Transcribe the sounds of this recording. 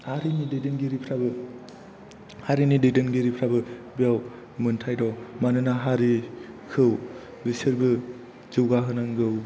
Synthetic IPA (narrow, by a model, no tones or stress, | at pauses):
haɾinidedenɡeɾipʰɾabɯ | haɾinidejdenɡeɾipʰɾabɯbijaw | mɯntʰajdɔwmanɯnaɦaɾi | kʰɯw | bisiɾbɯ | zɯwɡaɦɯnaŋɡɯw